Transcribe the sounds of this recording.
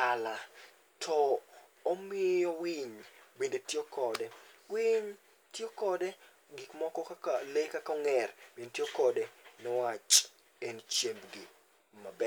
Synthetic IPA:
ala | tʰɔ | omɪjɔwɪɲbedetjokɔdɛwɪɲ | tjokɔde | ɡɪkmɔkɔkakalekakɔŋɛrb̥enetjokɔdenɛwat͡ʃ | ent͡ʃjebɡi | mabɛ

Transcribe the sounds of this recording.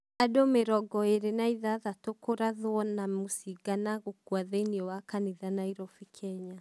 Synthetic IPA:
adomeɾɔɡɔeɾenaiðaðatokoɾaðwɔnamusiɡanaɣokuaðɛniɔwakaniðanaiɾɔfikʰɛɲa

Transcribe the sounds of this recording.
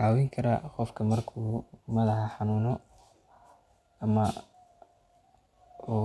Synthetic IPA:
aːwɪŋkʰɐɾɐ̰qɔfkʰɐmɐrkʰuːmɐðɐħɑħɑnuːnɔ | ɐmɐ | uː

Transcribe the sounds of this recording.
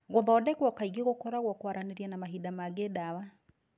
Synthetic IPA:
ɣoðɔdɛkwɔkaiɣeɣokɔɾaɣwɔkwaɾaneɾjɛnamaɦidamaɡedawa

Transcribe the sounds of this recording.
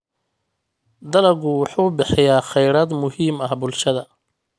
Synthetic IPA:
d̪ɐlɐɡʊwʊħuːbɪħɪjaːχɛjɽɐːd̪mʊhiːmɐhbʊlʃɐðɐ

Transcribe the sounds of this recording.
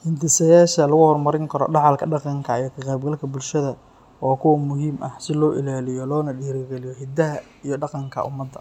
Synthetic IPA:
hɪnt̪ɪsɐjaːʃɐlɐɣʊhɔrmɐɾɪŋkʰɐɾɔ̰ɖɑʕɑlkʰɐɖɑqɑŋkʰɐijɔkʰɐqɑːbɡɐlkʰɐbʊlʃɐðɐ | ɔːkʰʊwɐmʊɦiːmʔɐhsɪlɔːʔɪ̰laːlɪjɔlɔːnɐɖiːɾɐɡɛlɪjɔɦɪd̪ɐɦɐ | ijɔɖɑqɑŋkʰɐ̰ʔʊ̰mːɐd̪ːɐ

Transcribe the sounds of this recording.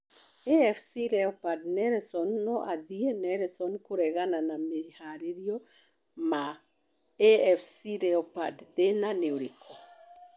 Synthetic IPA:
eɛfsiɾɛɔpadnɛɾɛsɔnːɔʔaðiɛnɛɾɛsɔnkoɾɛɣananamehaɾeɾiɔ | ma | ɛɛfsiɾɛɔpadðenaneoɾikʰɔ

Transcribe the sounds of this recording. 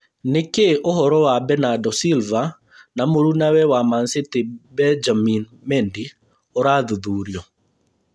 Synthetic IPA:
nekeʔoɦɔɾɔwabɛnadɔsilva | namoɾunawɛwamansetebɛd͡ʒamin | mɛndi | oɾaðuðuɾjɔ

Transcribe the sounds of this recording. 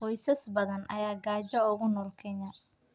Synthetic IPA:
qɔjsɐsbɐðɐnʔɐ̰jaːɡaːt͡ʃɐʊɣʊnɔːlkʰɛɲɐ

